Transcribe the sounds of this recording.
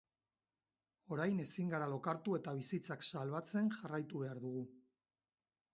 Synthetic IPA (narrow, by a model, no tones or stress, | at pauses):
o̞ɾajne̞siŋɡaɾalo̞kaɾt̪ue̞t̪aβ̞isit͡saksalβat͡se̞nʝarajt̪uβe̞aɾðuɣ̞u